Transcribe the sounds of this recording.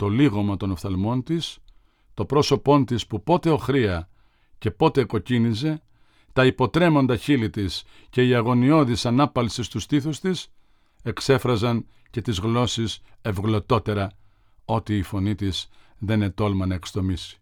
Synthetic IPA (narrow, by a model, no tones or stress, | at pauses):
t̪o̞liɣo̞mɐt̪o̞nofθɐlmo̞nt̪is | t̪o̞pɾo̞so̞po̞nt̪ispupo̞t̪e̞o̞xɾiɐ | ce̞po̞t̪e̞ko̞cinize̞ | t̪ɐipo̞t̪ɾe̞mo̞nd̪ɐçilit̪is | ce̞iɐɣo̞nio̞ðisɐnɐpɐlsist̪ust̪iθust̪is | e̞kse̞fɾɐzɐn | ce̞t̪izɣlo̞sise̞vɣlo̞t̪o̞t̪e̞ɾɐ | o̞t̪iːfo̞nit̪isðe̞ne̞t̪o̞lmɐnɐekst̪o̞misi̥